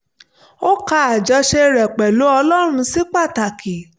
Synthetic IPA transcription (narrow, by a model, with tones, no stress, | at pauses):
o˦ka˧a˨d͡ʒɔ˧ʃe˧ɾɛ˨k͡pɛ˨lo˨˦ɔ˧lɔ˦ɾ̃ũ˧si˦k͡pa˦˨ta˨ki˨